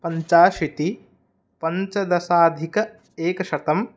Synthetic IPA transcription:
pɐɲt͡ʃaːʃit̪i | pɐɲt͡ʃɐd̪ɐsaːd̪ʱikɐ | eːkɐʃɐt̪ɐm

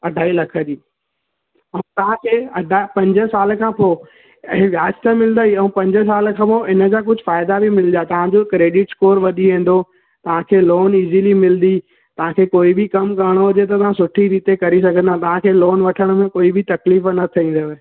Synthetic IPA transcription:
ɐɖʱaːilɐkʰəd͡ʑiː | ɐũt̪ɐʋ̤ãkʰeːɐɖʱapɐ̃ɲd͡ʑə̆saːlkʰãpo | ɛ̃ʋjaːd͡ʑt̪ʰəmɪlnd̪əiɐ̃ũpɐ̃ɲd͡ʑə̆s̬aːlkʰãːpoɪnə̆d͡ʑaːk̬ʊd͡ʑʱʊfaːɪd̪abimɪld̪at̪ɐʋ̤ãd͡ʑokɾeːɖɪʈskoːɾʋɐɗiɦẽːn̆d̪o | t̪ɐʋ̤ãkʰeːloːniːzilimɪld̪i | t̪ɐʋ̤ãkʰeːkoːibʱɪkɐmkɐɾəɽ̃ɦʊd͡ʑet̪̬ɐt̪ɐʋ̤ãsʊʈʰiɾiːt̪ekɐɾis̬ɐɡʱə̃nd̪at̪ɐʋ̤ãkʰeːloːnʋɐʈʰəɽ̃mẽkoːibɪt̪ɐkliːfnɐt̪ʰiĩːn̆d̪əʋ

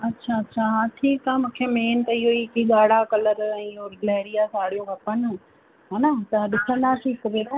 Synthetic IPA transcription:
ɐtːɕʰaɐtːɕʰaɦãːʈʰiːkaːmũːkʰemeːnt̪ɐɪɦoikiːɠaːɽ̤akɐləɾɛ̃ːɦolɛːɽijasaːɽijũkɐpən̆ | ɦaːnat̪ɐɗɪsə̃nd̪aːʈʰiːkːəb̪ed̪aː

